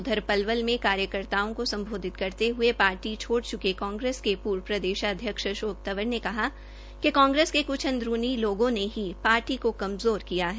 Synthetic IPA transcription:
ʊd̪ʱəɾpɐlʋəlmẽkaːɾjəkəɾt̪aːõkosɐ̃mbʱoːd̪ʱɪt̪kɐɾt̪eɦʊepaːɾʈit͡ʃʰoːɽt͡ʃʊkekɔ̃ːŋɡɾeːskepuːɾpɾɐd̪eːʃaɐd̪ʱjəkʃʃoːk̚t̪əʋəɾnekɐɦa | kekɔ̃ːŋɡɾeːskekʊt͡ʃʰɐ̃nd̪ɾuːniloːɡõneɦipaːɾʈikokɐmzoːɾkijaɦɛ

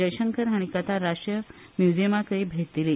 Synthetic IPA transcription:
əjɕəŋkəɾɦaɽ̃ikət̪ʰaɾaʂʈɾjəmjud͡ʑimakəiːbʱet̪ili

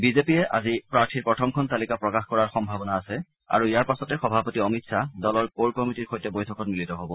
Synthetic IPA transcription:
bizepiɛʔa̰zipɹaɹtʰiɹpɹɔtʰɔmkʰɔntalikapɹɔkaxkɔɹaɹxɔmbʱabɔnaːsɛ | a̰ɹuijaɹpasɔtɛxɔbʱapɔtiɔmitsadɔlɔɹkolkɔmitiɹxojtɛbojtʰɔkɔtmilitɔɦobɔ

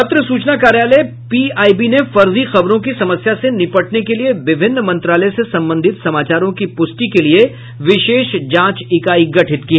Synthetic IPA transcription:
ɐt̪ɾəsuːt͡ʃnakaːɾjaːle | piːaːibinefɐɾzixɐbɾõkisɐməsjasenɪpəʈnekelieʋɪbʱɪnːmɐ̃nt̪ɾaːləsesɐ̃mbə̃nd̪ʱɪt̪sɐmaːt͡ʃaːɾõkipʊsʈikelie | ʋɪʃeːʃd͡ʒãːt͡ʃɪkaːiɡɐʈʰɪt̪kiɦ

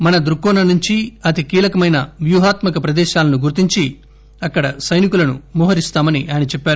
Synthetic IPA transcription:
mɐnɐd̪ɾukːɔːnɐnuɲt͡ʃiɐt̪ikiːlɐkɐmɐjnɐʋjuɦaːt̪mɐkɐpɾɐd̪ɛːʃaːlɐnuɡuɾt̪iɲt͡ʃi | ɐkːɐɽɐsɐjnikulɐnṵmuːɦɐɾist̪aːmɐniʔaːjɐnit͡ʃɛpːaːɾu

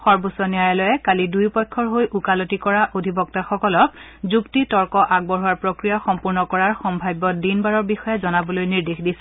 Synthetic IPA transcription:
xɔɹbusɔnijajalɔjɛkalidujpɔjkʰːɔɹɦojʔukalotikɔɹaʔodʱibɔk̚taxɔkɔlɔk̚ | zuktitɔɹkɔʔaɡ̚bɔɦuwaɹpɹokɹijaxɔmpuɹnɔkɔɹaɹxɔmbʱajbːɔdinbaɹɔɹbixɔjɛzɔnabɔlojniɹdexdisɛ̥

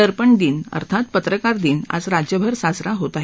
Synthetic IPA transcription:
əɾpəɳd̪iːnə̰ɾt̪ʰat̪̚pət̪ɾəkaɾd̪iːna̰d͡zɾad͡ʑjəbʱəɾsasɾaɦot̪aɦ

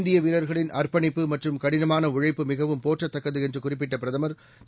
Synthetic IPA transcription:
nd̪ɪjɐʋɪɾɐɾɣɐɭɪnʔɐrpɐɳɪpːɯmɐʈrɯmkɐɽɪnɐmaːnɐʊɻɐɪpːɯmɪɣɐʋɯmpoːʈrɐt̪ːɐkːɐðɯɛndrɯkʊrɪp̬ːɪʈːɐpɪɾɐðɐmɐɾ

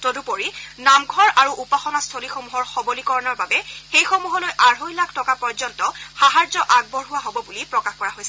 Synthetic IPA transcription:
todupoɹinamɡʱɔɹaɹuʔupaxɔnastʰolixomuɦɔɹxɔbolikɔɹɔnɔɹbabɛxejxomuɦɔlojʔaɹɦojlakʰtɔkapɔɹzɔntɔxaɦaɹzɔʔaɡ̚bɔɹɦʊwaɦobɔbulipɹɔkaxkɔɹaɦojsɛ

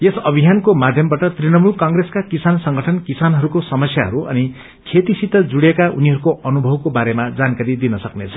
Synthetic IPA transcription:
jesʌbʱijankomad̪ʱjʌmbaʈʌt̪rinʌmulkaŋɡreskakisansʌŋɡʱʌʈʰʌnkisanɦʌɾukosʌmʌsjaɦʌɾuʔʌ̰ni | kʰet̪isit̪ːʌd͡zuɽekauniɦʌɾukoʔʌnubʱʌwkobaɾemad͡zankaɾid̪inʌsʌknet͡sʰʌ̥

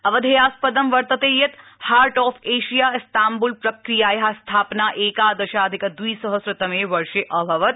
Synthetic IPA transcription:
ɐʋɐd̪ʱejaːspɐd̪ɐmʋɐɾt̪ɐt̪eːjɐt̪haːɾʈɔːfeːʃijaːɪst̪aːmbʊlpɾɐkɾijaːjɐɦast̪ʰaːpnaːʔeːkaːd̪ɐʃaːɐd̪ʱɪkɐd̪uiːsɐɦɐsɾɪt̪ɐmeːʋɐɾʃeʔɐbʱɐʋɐt̪

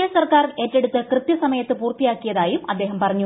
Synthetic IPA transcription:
esɐrkaːre̞ːtːe̞ɽut̪ːɐkrɨt̪jɐsɐmɐjɐt̪ːɨpuːrt̪ijaːkːijɐðaːjumɐd̪ːe̞ːɦɐmpɐrɐɲːu

